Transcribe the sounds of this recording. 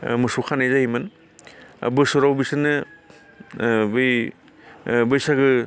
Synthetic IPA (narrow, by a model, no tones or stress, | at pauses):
mɯsukʰanajzahimɯn | a̰bɯsɔɾawbisɯnɯ | bɯj | bɯjsaɡɯ